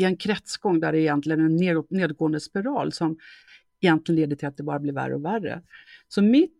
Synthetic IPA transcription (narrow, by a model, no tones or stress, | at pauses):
ɪɛnkʰɾɛt̪sɡɔŋːd̪æɾɛɪjɛnt̪lɪɡənɛnːeːneːd̪̚ɡoːənd̪əspɪɾɑ̰ːlsɔm | ɛjɛnt̪lɪɡəneːd̪ːət̪ʰɪlat̪̚d̪ɛbɑːɾablɪɾvæ̰ɾːə̰ɔværə̰sɔmɪt̪